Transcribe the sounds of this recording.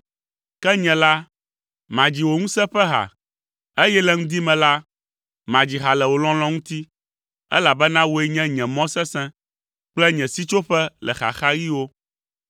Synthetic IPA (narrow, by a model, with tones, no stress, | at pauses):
kɛ˦ɲɛ̃˨la˦ | mã˨d͡ʑi˨wo˨ŋũ˦sɛ̃˦ɸɛ˦ɦa̰˨ | e˦jɛ˦lɛ˨ŋũ˦d̪i˦mɛ̃˨la˦ | mã˨d͡ʑi˨ɦa˨lɛ˨wo˨lɔ̃˦l̃ɔ̃˦ŋũ˦t̪i˦ | ɛ̰˦la˨bɛ˦nã˦wo˨ɛ˦ɲɛ̃˦ɲɛ̃˨mɔ̃˦sɛ̃˦sɛ̃˦ | k͡plɛ˦ɲɛ̃˨si˦t͡ʃo˦ɸɛ˦lʔɛ̰˨xa̰˨xa˦ji˦wo˦